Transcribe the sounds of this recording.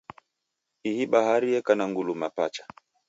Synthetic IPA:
ihiɓaɦaɾiɛkanaŋɡulumapat͡ʃḁ

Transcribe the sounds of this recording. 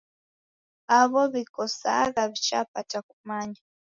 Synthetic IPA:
aβoβikosa̰ɣaβit͡ʃa̰pataku̥maɲi

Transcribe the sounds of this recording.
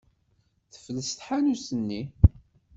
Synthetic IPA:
θə̥fləsθħanusənːi

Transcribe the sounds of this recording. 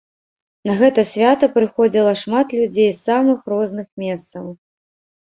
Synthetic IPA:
nɐɣɛt̪ɐsʲvʲat̪ɐpɾɨxɔd͡zʲilˠɐʂmat̪lʲud͡zʲejsːamɨxrɔznɨxmʲɛst̪sɐw

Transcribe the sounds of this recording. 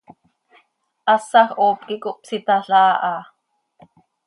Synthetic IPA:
ʔɑsɑxʔoːp̚kikoʔpsit̪ɑɬɑːʔɑː

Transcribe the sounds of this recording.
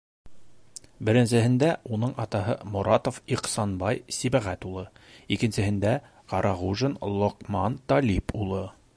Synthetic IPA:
bɘ̆ɾɘ̆nsɘ̆ɦɘ̆nd̪æunɤɴɑt̪ɑɦɤ̰muɾɑt̪ofiqsɑnbɑjsibæʁæt̪ulˠɤikɘ̆nsɘ̆hɘ̆nd̪æ | qɑɾʔɑʁuʒɤnlˠŏqmɑnt̪ɑlʲipulˠɤ

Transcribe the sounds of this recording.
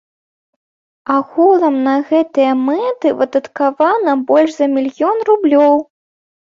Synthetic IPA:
ɐɣulˠɐmnɐɣɛt̪ɨjɐmɛt̪ɨvɨd̪ɐt̪kavanɐbɔlʲʂzɐmʲilʲjɔnrublʲɔw

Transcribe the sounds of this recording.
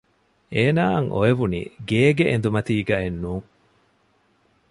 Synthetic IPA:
eːnaːɐŋʔo̰eʋunḭːɡeːɡeʔend̪umɐt̪iːɡɐenːuːŋ

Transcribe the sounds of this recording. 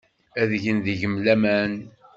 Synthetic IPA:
æðʝənðiʝəmlæmæn

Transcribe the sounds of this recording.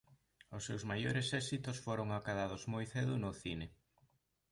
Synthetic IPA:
ʊsːewzmajoɾesɛsit̪ʊsfoɾoŋakaðaðʊzmojθeðʊnʊθinɪ

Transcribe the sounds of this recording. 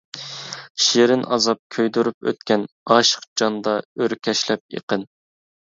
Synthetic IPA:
ʃeɾɪnɑzɑp̚kʲʰøjd̪uɾup̚ø̰t̪kʲʰɛn | ɑʃə̥qd͡ʒɑnd̪ɑøɾkʲʰɛʃlɛp̚jḛqən

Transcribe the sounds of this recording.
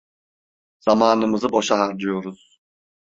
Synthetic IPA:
z̥amaːnɯmɯzɯbo̞ʃaɦaɾd͡ʒɯjo̞ɾuz̥

